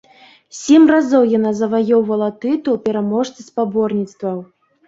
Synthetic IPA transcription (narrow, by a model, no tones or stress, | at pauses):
sʲɛmrazɔwjanazɐvajɔwvɐlˠɐt̪ɨt̪uwpʲɛɾamɔʂt̪sɨspabɔrnʲit̪st̪vɐw